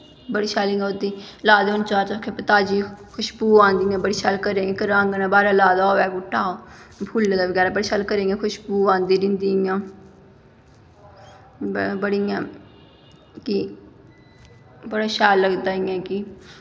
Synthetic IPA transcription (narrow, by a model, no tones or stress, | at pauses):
bəɽiːʃaːlĩod̪iːlaːd̪eʊnt͡ʃaːɾt̪akʰepət̪aːd͡ʒiːkʰʊʃbuːãːnd̪iːjãːbəɽiːʃaːlkəɾeːɡeːkəɾãːŋɡnaːbaːɾaːlaːd̪aːɛːkʊʈʰːaːoːpʰulːəɡ̪aːbəɡɛːɾaːbəɽeːʃaːlkəɾẽːŋɡẽkʰʊʃbuːãːnd̪iːɾɪ̃nd̪iːjãː | bəɽijãː | ki | bəɽaːʃaːlːəɡd̪aːɪjãːki